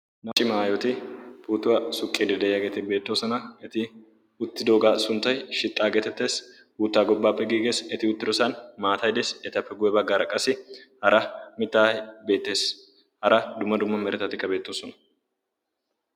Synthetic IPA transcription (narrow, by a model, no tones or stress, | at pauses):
nɐt͡ʃʼːɪmaːjɔt̪ɪpuːt̪ːʊwɐsʊkʼːeːd̪ɛd̪ɐjɐɡɛt̪ɪbe̞ːt̪ːo̞ːsɐnɐɛt̪ɪ | ʊt̪ːɪd̪oːɡaːsʊnt̪ːɐjʃɪt̪ʼːaːɡɛt̪ɛt̪ːe̞ːs | huːt̪ːaːɡɔbːaːpːɛɡiːɡeːsɛt̪ɪʊt̪ːɪd̪ɔsanmaːt̪ɐjd̪esɛt̪ɐpːɛɡʊjɛbɐɡaːɾɐkʼːɐsɪhɐɾɐmɪt̪ːaːbe̞ːt̪ːe̞ːs | hɐɾɐd̪ʊmːɐd̪ʊmːɐmɛɾɛt̪ɐt̪ɪkːɐbe̞ːt̪ːoːsɔnɐ̥